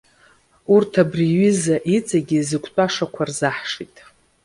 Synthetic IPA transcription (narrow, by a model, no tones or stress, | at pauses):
urtʰabriɥɪzaʔit͡sʼaɡʲizɨkʷʰʼt͡pʷʼaʂakʷʰarzaħʂitʼ